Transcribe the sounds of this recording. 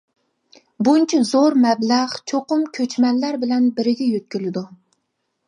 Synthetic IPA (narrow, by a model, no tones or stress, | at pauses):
bunt͡ʃʰɛzoɾmɛblæʁt͡ʃʰoqʊmkʲʰøt͡ʃmɛnlæɾbɪlɛnbɪɾɪɡʲɛjøt̪̚kʲylɪd̪u